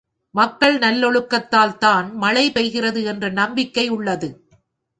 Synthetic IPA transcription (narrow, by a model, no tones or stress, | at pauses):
mɐkːɐɭnɐlːɔɻɯkːɐt̪ːaːlt̪aːnmɐɭɐɪpɐɪɣɪrɐðɯɛndrɐnɐmbɪkːɐɪʊɭːɐðɯ